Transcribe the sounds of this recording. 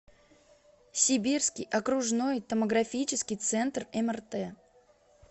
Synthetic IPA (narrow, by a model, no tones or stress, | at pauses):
sʲɪbʲirskʲɪjʔɐkɾʊʐno̞jt̪əməɡɾɐfʲit͡ɕɪskʲɪjt̪sɛnt̪rɛmərt̪ɛ